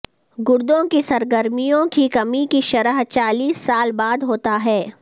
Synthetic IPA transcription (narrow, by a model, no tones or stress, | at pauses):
ɡʊɾd̪õkisɐɾɡəɾmijõkikɐmikiʃɐɾəɦt͡ʃaːliːsːaːlbaːd̪ɦoːt̪aɦɛː